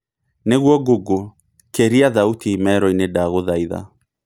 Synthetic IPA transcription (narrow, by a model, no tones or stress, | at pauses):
neɣwɔɡoɡo | keɾiaðautiːmɛɾɔinedaɣoðaiða̰